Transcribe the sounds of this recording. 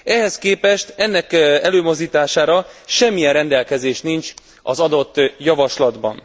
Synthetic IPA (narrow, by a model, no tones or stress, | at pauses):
ɛɦɛskeːpɛʃt̪ɛnːɛkɛløːmo̞zd̪iːt̪aːʃaːɾɒʃɛmːijɛnrɛnd̪ɛlkɛzeːʃnint͡ʃ | ɒ̰zɒd̪o̞t̪ːjɒvɒʃlɒd̪bɒ̰n